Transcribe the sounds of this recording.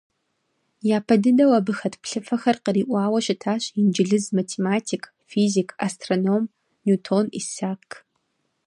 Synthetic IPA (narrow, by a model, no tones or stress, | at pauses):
jaːpʰɐdɨdɐwɐbɨxɐtʰpɬɨfɐxɐrqəɾiːʔʷɑaːwɐɕɪtʰaːɕind͡ʒɪɮɨzmatʰeːmaːtʰiːkʰ | fiːzikʰa̰stʰronom | nuːtʰonḭsaːkʰ